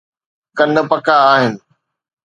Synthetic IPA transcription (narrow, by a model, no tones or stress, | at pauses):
kɐnə̆pɐkaːɦɪnɪ̆